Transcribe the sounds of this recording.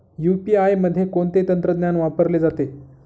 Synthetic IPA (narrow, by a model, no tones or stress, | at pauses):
jupiajməd̪ʱːjekoɳt̪et̪ənt̪ɾəd̪njanʋapəɾled͡zat̪e